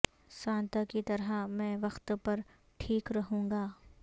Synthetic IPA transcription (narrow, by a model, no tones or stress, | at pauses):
sãːnt̪akit̪ɐɾamɛ̃ːʋɐxt̪pɐɾ | ʈʰiːkɾɐɦũːŋɡaː